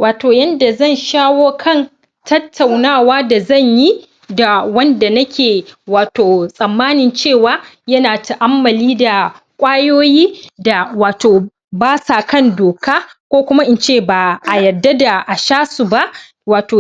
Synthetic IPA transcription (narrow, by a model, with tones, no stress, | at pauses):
waː˨toː˨jɐ˦nda˨zɐ˦˨nʃaː˦woː˦kʰɐ˦˨n | tɐ˦tːa˨wnaː˦˨waː˦da˨zɐ˦˨ɲji˦ | da˨wɐ˦nda˨nɐ˦kʲʰeː˨waː˨toː˨sʼɐ˨mːaː˦nɪ˨nt͡ʃeː˦˨waː˦ | jɐ˦naː˨ta˨ʔa˦mːɐ˨liː˦da˨kʷʼaː˦joː˦jiː˦da˨waː˨toː˨ | baː˦saː˨kɐ˦˨ndoː˨kaː˦kʷoː˦kʷʊ˦ma˦ʔɪ˦nt͡ʃeː˦˨ba˨ʔa˨jɐ˨dːa˦da˨ʔa˨ʃaː˦su˨ba˦ʔ | waː˨toː˨